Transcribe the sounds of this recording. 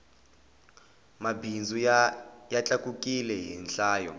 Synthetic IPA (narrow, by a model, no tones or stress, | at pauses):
mabʱind͡zʱujat͡ɬʼakʼukʼilɛɦinɬaːjɔ